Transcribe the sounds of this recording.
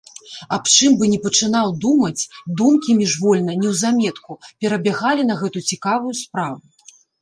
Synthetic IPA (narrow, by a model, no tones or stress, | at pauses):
ɐpt͡ʂɨmbɨnʲɛpɐt͡ʂɨnawd̪umɐt͡sʲd̪umkʲimʲiʐvɔlʲnɐnʲɛwzamʲɛt̪kupʲɛɾɐbʲaɣalʲinɐɣɛt̪ut͡sʲikavujuspɾavu